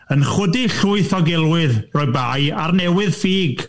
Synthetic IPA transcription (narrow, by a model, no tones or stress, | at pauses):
ənχʊdiɬʊɨθɔɡɛlˠwɪðrɔːɨbajarnɛwɪðfiːɡ